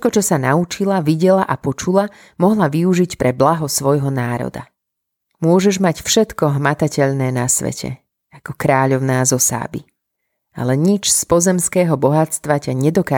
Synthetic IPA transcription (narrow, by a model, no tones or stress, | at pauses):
ɛkɔt͡ʃɔsanaut͡ʃilaʋiɟɛlaʔapɔt͡ʃula | mɔɦlaʋiuʒicpɾʔɛblaɦɔsʋɔjɦɔnaːɾɔ̰d̪a̰ | mʊɔʒɛʒmacfʃɛt̪kɔɦmat̪acɛʎnɛːnasʋɛ̰cʰɛ̰ | akɔkɾaːʎɔʊnaːzɔsa̰ːbḭ | a̰lɛɲit͡ʃspɔzɛmskɛːɦɔbɔɦat͡st̪ʋacaɲɛd̪ɔkaː